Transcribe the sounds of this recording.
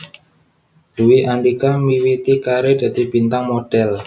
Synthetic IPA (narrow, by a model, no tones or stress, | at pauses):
luwiʔandikamiwit̪ikaɾed̪̥a̤d̥̪i̤b̥int̪aŋmoɖ̥ɛl